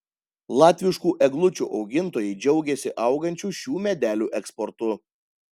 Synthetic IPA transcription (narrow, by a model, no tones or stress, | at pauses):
lˠɑːt̪ʲʋʲɪʃkuːʔɛɡlˠʊt͡ʃʲṵːʔɒʊɡʲɪnt̪oːjɛɪd͡ʒʲɛʊɡʲɛsʲɪʔɐˑʊɡɐnʲt͡ʃʲuːʃʲuːmʲɛd̪ʲæːlʲuːʔɛkspɔɾt̪ʊ